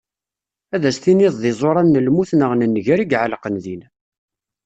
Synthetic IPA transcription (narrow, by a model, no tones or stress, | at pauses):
æðæsθinɪðˤðɪzˤoɾˤɑnːəlmuθnəʁnənːʝæɾiɡʕalqənðin